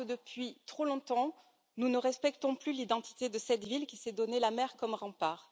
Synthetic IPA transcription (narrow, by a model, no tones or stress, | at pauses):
əd̪əpɥit̪χolɔ̃t̪ɑ̃ | nunəʁɛspɛk̚t̪ɔ̃plylid̪ɑ̃t̪ʰi̥t̪ed̪əsɛt̪vilkʲisɛd̪ɔnelamɛʁkɔmʁɑ̃paːʁ